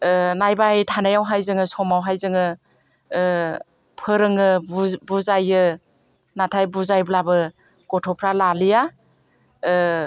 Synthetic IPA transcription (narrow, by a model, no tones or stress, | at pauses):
najbajtʰanajawɦajzɯŋɯsɔmawɦajzɯŋɯ | pʰɯɾɯŋɯbuzajɯ | natʰajbuzajblabɯ | ɡ̥ɔtʰɔpʰɾalalija